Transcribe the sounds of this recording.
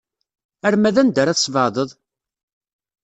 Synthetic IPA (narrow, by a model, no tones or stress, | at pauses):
æɾmæðænd̪əɾæθsˤvɑðˤəðˤ